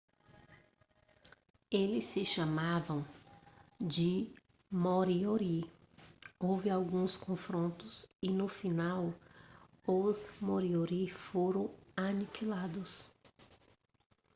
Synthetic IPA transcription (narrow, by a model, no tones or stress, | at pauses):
elɪsːɪʃɐmavɐ̃w̃ | d͡ʒɪ | moɾioɾi | owvɪawɡũskõfɾõnt̪ʊsɪnʊfinaw | ʊzmoɾioɾifoɾɐ̃w̃anikʰilad̪ʊs